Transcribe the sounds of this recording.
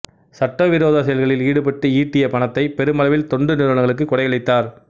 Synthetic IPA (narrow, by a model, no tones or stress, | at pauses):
sɐʈːɐʋɪɾoːðaːsɐjɐlɣɐɭɪliːɽɯpɐʈːɯiːʈːɪjɐpɐɳɐt̪ːɐɪpɛɾɯmɐlɐʋɪlt̪ɔɳɖɯnɪɾʋɐɳɐŋɣɐɭɯkːɯkːɔɽɐjɐɭɪt̪ːaːɾ